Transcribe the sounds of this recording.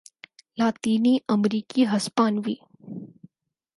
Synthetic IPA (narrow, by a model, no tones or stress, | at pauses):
laːt̪iːniːʔəmɾiːkiːɦɐspaːnʋiː